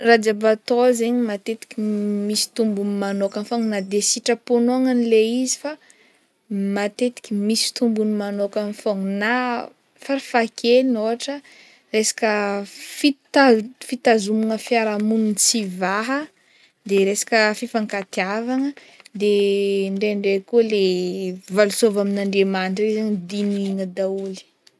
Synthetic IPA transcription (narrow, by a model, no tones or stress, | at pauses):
rad͡ʒabat̪ozeɲimat̪et̪i̥kʲimisi̥t̪umbunmanokanfoŋnad̪esiʈ͡ʂəponoaŋənileizifa | mat̪et̪i̥kʲimisi̥t̪umbunimanokanfoŋna | faɾifakʰelinoɦaʈ͡ʂə | resḁkəfit̪afit̪azumuŋəfiaɾamununt͡sivaɦə | d̪eɾesḁkəfifaŋkat̪iavaŋə | d̪eɳɖ͡ʐeɳɖ͡ʐekuəlevalusovaminaɳɖ͡ʐemanʈ͡ʂrezaɲd̪iniŋəd̪auli̥